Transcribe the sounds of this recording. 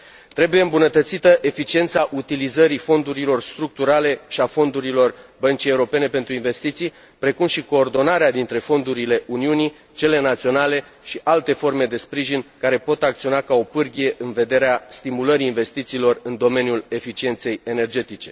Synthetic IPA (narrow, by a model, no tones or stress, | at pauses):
t̪ɾe̞bujeɨmbunət̪ət̪sit̪əʔe̞fit͡ʃie̞nt̪saʔut̪ilizəɾifo̞nd̪uɾilo̞rst̪ɾuk̚t̪uɾale̞ʃiafo̞nd̪uɾilo̞rbənt͡ʃije̞uɾo̞pe̞ne̞pe̞nt̪ɾuinve̞st̪it̪sij | pɾe̞kumʃiko̞ːrd̪o̞naɾead̪int̪ɾe̞fo̞nd̪uɾile̞ʔuniuni | t͡ʃe̞le̞nat̪sio̞nale̞ | ʃiʔalt̪e̞fo̞rme̞d̪e̞spɾiʒinkaɾe̞po̞t̪ak̚t̪sio̞nakao̞pɨrɡʲije̞ʔɨnve̞d̪e̞ɾeast̪imuləɾiːnve̞st̪it̪siːlo̞rɨnd̪o̞me̞njule̞fit͡ʃie̞nt̪se̞je̞ne̞rd͡ʒe̞t̪it͡ʃe̞̥